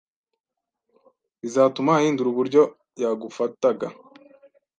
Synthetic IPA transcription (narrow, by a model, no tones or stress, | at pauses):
βizaːtumahiːnduɾuβuɾɟo̞ | jaɡufataɡa